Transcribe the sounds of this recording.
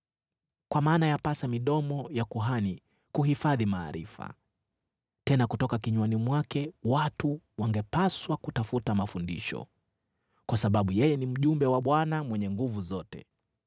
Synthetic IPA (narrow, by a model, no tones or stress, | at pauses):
kwamaːnajapasamiɗɔmɔjakuɦani | kuɦifaðima̰ːɾḭfa̰ | tɛnakutɔkakiɲwanimwakɛwatu | waŋɡɛpaswakutafutamafundḭʃɔ̰ | kwasaɓaɓujɛjɛnim̩ʄumbɛwaɓwanamwɛɲɛŋɡuvuzɔtɛ̰